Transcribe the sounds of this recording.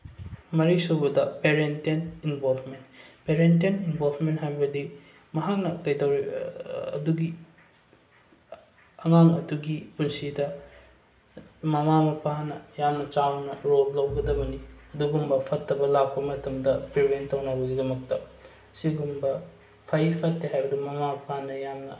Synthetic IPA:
mɐɾisobɐdɐpeɾentaninbolpʰmentpeɾent̬eninbʱolpʰmentɦajbɐdi | mɐɦak̚nɐkɐjdɐwɾiɐ̰duɡi | ɐŋaŋɐduɡipunsidɐ | mɐmamɐpanɐjamnɐt͡ʃawnɐɾollɐwɡɐdɐbɐniɐduɡumbɐpʰɐtʰːɐbɐlak̚pɐmɐtʰɐmdɐpɾibentɐwnɐbɐɡidɐmɐk̚tɐ | siɡumbɐ | pʰɐjpʰɐtːeɦajbɐdimɐmamɐpanɐjamnɐ

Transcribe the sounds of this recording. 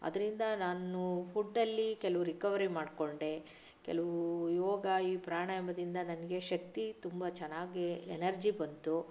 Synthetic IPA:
ɐ̰d̪ɐɾind̪ɐnaːnupʰuɖːɐlːikɛlɐʋuɾikɐʋɐɾimaːɖko̞ɳɖe | kɛ̰lɐʋujɔːɡaːiːpɾaːɳaːjɐmɐd̪ind̪ɐnɐnɐɡe̞ʃɐk̚t̪it̪umbɐt͡ʃɛnːaːɡiɛnɐɾd͡ʒibɐnt̪u

